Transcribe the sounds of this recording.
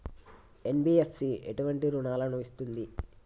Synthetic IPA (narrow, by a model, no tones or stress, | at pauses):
e̞nbiːessieʈuʋɐɳʈiɾuɳaːlɐnɐʋist̪und̪i